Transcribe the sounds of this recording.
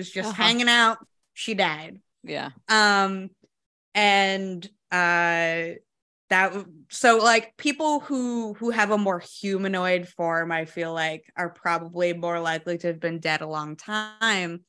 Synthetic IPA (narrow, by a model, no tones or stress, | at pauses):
zd͡ʒʌsst̚hæ̃ŋɪ̃ŋaʊt̚ | ʃidaɪd̥̚ | jæ̰ʌ̃m | ɨ̃n | ʌ | ðɨt̚wʌ | soʊlaɪk̚pʰipl̩ˠhuhuɨvəmɔɹhjʉmɨnɔɪd̥fɔɹmaɪfilaɪkə˞pʰɹ̥ɑbəblimɔɹlaɪkliɾɨɨvbɨ̃ndɛɾəlɔ̃ŋtʰãɪ̃m